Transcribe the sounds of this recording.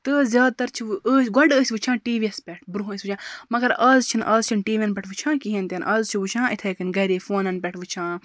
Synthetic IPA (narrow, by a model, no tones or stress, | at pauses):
t̪ɨzʲjaːd̪̚t̪ɐɾt͡ʃʰiʋɨʔəːsʲɡɐɖəːsʲʋɨt͡ʃʰãːʈiːʋiɐspʲeʈʰbɾuɦəːsʲʋɨt͡ʃʰãːmɐɡɐɾaːzt͡ʃʰinʔɐ̰ːzt͡ʃʰinʈiːʋiɐnpʲɐʈʰʋɨt͡ʃʰãːkiɦẽnt̪ʲɐnʔɐːzt͡ʃʰiʋɨt͡ʃʰãːʔit̪ʰeːkinɡɐɾiːfoːnɐnpʲɛʈʰʋɨt͡ʃʰãː